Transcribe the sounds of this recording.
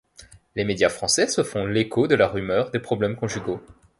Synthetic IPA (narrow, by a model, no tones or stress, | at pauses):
lemed̪jafχɑ̃sɛsəfɔ̃lekʰod̪əlaʁymœʁd̪epχɔblɛmkɔ̃ʒyɡo